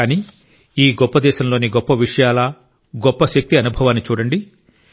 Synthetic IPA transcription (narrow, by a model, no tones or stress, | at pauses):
aːniː | iːɡɔpːɐd̪ɛːʃɐmlo̞ːniɡɔpːɐʋiʂɐjaːlɐ | ɡɔpːɐʃɐk̚t̪iɐnubʱɐʋaːnːit͡ʃuːɽɐɳɖi